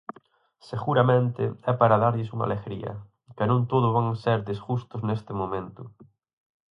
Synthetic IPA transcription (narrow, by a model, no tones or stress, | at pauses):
seɣuɾamẽnt̪ɪ̰ɛpaɾaðaɾʎɪsuŋa̰leɣɾḭɐ̰ | kɪnõnt̪oðʊβaŋseɾðezɣust̪ʊznest̪ɪmomẽnt̪ʊ